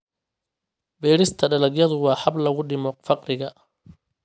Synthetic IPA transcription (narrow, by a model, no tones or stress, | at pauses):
bɛːɾɪst̪ʰɐɖɐlɐɡjɐðʊwɑːħɐblɐɣʊɖɪmɔfɑqrɪɣɐ